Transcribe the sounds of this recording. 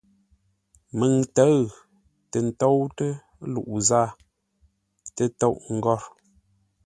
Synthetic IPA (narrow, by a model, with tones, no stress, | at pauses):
mə˨ŋtə˨˦ɣ | tə˨n̩˨to˦wtə˦ | lṵ˨ʔzaː˦˨ | tə˨to˦˨ʔŋ̩˨ɡɔ˦˨ɾ